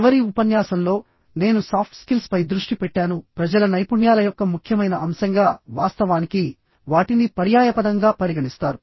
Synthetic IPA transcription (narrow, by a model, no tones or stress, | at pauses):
ʋɐɾiupɐnjaːsɐnlo̞ː | ne̞ːnusaːp̚ʰʈskilspɐjd̪ɾuʂʈipɛʈːaːnupɾɐd͡ʒɐlɐnɐjpuɳjaːlɐjɔkːɐmukʰjɐmɐjnɐɐmsɐŋɡaːʋaːst̪ɐʋaːniki | ʋaːʈinipɐɾjaːjɐpɐd̪ɐŋɡaːpɐɾiɡɐnist̪aːɾu